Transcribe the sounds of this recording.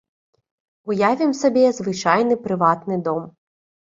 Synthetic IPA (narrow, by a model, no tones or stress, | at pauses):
ʊjaʋʲimsɔbʲɛzʋɪt͡ʃɑjnɪpɾɪʋɑt̪nɪd̪ɔm